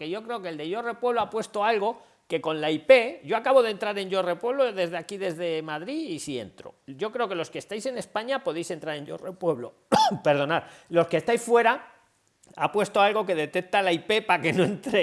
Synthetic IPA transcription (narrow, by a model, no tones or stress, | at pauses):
ke̞ʝo̞kɾe̞okeld̪e̞ʝo̞re̞pwe̞βlo̞apwe̞st̪o̞alɣo̞ | ke̞ko̞nlaipe̞ʝo̞akaβo̞ð̞e̞nt̪ɾaɾe̞ɲʝo̞repwe̞βlo̞ðe̞zðeakiðe̞zðe̞maðɾiisie̞̰nt̪ɾo̞̰ʝo̞kɾe̞o̞ke̞lo̞skest̪ajse̞ne̞spaɲapo̞ð̞e̞jse̞nt̪ɾaɾe̞ɲɟo̰repwe̞βlo̞ | pe̞ɾð̞o̞naɾlo̞skest̪ajsfwe̞ɾa | a̰pwe̞st̪o̞alɣo̞ke̞ð̞e̞t̪e̞k̚t̪alaipe̞pake̞no̞ẽnt̪ɾe